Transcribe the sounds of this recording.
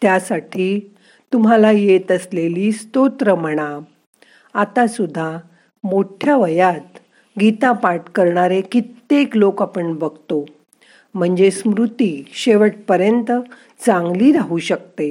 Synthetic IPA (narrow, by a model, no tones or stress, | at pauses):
t̪jasaʈʰiː | t̪um̤alajet̪əsleliːst̪ot̪ɾəm̤əɽ̃a | at̪asud̪ʱːa | moʈʰjaʋəjat̪ | ɡit̪ãpaʈkəɾɳaɾekit̪ːeklokapəɳbəɡt̪o | m̤əɳd͡zesmɾut̪iɕeʋəʈ̚pəɾjənt̪ə | t͡sãŋɡliːɾaɦuɕək̚t̪e